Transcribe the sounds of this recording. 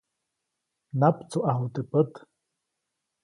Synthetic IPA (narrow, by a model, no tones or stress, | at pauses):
napt͡suʔaɦut̪əpət̪